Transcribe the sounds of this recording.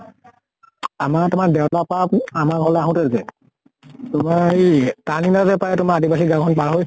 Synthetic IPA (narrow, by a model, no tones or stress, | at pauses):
amaɹtʊmaɹdɛwtapaamaɦɔlɛaɦʊ̃tɛɾkɛ | tʊmaɹetaninazɛpajɛtʊmaadibasiɡakʰɔnpaɹɦoj